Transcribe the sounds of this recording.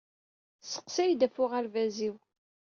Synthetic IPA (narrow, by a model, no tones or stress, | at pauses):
sə̥qsæjd̪æfʊʁaɾvæziw